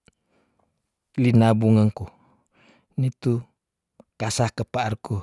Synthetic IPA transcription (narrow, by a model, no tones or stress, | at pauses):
linabuŋəŋku | nit̪u | kasahkəpaarku